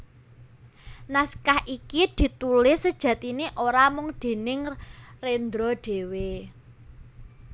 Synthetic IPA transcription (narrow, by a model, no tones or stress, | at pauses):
naskahʔikid̪̥i̤t̪ulɪhsːəd̥ʒ̥ä̤t̪ineʔoɾamʊŋd̪̥e̤nɪŋrend̪ɾɔɖ̥e̤we